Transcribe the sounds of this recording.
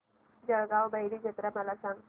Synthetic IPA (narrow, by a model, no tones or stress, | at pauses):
d͡ʑəɭɡaʋbəɦjɾid͡ʑʱət̪ɾaməlasãŋɡ